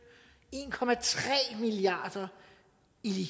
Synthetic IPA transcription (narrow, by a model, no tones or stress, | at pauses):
e̝ːnkʰɒ̽mæt͡sʰʁɛ̰ːmiliɑ̰̈ːd̥ɐ | ili